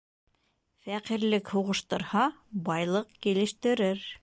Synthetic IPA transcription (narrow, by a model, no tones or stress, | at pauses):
fæqiɾlɘkhuʁɤ̆ʃt̪ɤ̆ɾhɑbɑjlˠɤqkilɘ̆ʃt̪ɘ̆ɾɘɾ